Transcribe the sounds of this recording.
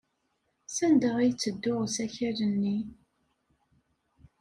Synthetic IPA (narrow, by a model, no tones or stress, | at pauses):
sænd̪əʁijt͡sːəd̪ːʊʁsæçæɾənːi